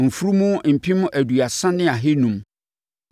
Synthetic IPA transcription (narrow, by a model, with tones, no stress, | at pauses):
m̩˨fu˦ɾu˦mũ˦m̩˨pʰi˦mʊ̃˦ʔæ˨du˨a˨sã˦nɪ̃˦a˨ɦɪ˦nũ˨m